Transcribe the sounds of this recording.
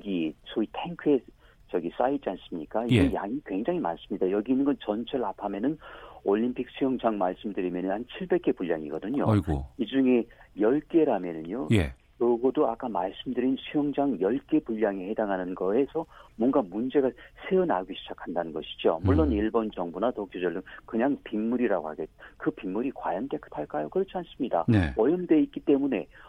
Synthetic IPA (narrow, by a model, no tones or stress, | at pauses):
ʌɡisʰoitʰeŋkʰɯe | t͡ɕʌɡis͈ait͡ɕ͈ians͈ɯmɲik͈aiɡejaŋikwe̞ŋd͡ʑaŋɦima̰ns͈ɯmɲidajʌɡiinɯnɡʌnt͡ɕʌnt͡ɕʰʌɭapʰamjʌnɯnoʎːimpʰik̚sʰujʌŋd͡ʑaŋmaɭs͈ɯmdɯɾimjʌnɯnhant͡ɕʰiɭbe̞k̚k͈e̞puʎja̰ŋḭɡʌdɯɲo̰ɡoid͡ʑuŋe̞jʌɭk͈e̞ɾamjʌnɯɲoje | kɯɡʌdoak͈amaɭs͈ɯmdɯɾinsʰujʌŋd͡ʑaŋjʌɭk͈e̞puʎːaŋehe̞daŋɦanɯnɡʌesʰʌmwʌnɡamund͡ʑe̞ɡasʰeɯna̰ɡwiɕʰid͡ʑakʰandanɯnɡʌɕʰi̥d͡ʑo̰muɭːoniɭbʌnd͡ʑʌŋbunatokʰjod͡ʑʌɭːɯmkɯɲaŋpimːuɾiɾaɡohaɡet̚kɯpimːuɾikwa̰jʌnt͈e̞kʰɯ̥tʰaɭk͈ajokɯɾʌt͡ɕʰians͈ɯmɲida̰neʌjʌnde̞ik͈it͈e̞mune̞